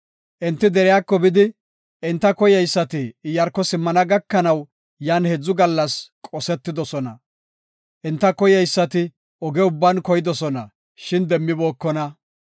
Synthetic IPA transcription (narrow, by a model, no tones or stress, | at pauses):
ʔɪnt̪ːɪd̪ɛɾɪjakːɔbɪd̪ɪ | ʔɪnt̪ːɐkɔjɛjsːɐt̪ɪːjɐɾkːɔsɪmːɐnɐɡɐkːɐnɐw | jaːnhɛd͡zːʊɡɐlːɐskʼɔsɛt̪ːɪd̪ɔsɔnɐ̰ | ʔɪnt̪ːɐkɔjɛjsːɐt̪ɪ | ɔɡɛʊbːɐnkɔjɪd̪ɔsɔnɐ̰ | ʃɪnd̪ɛmːɪboːkːɔnɐ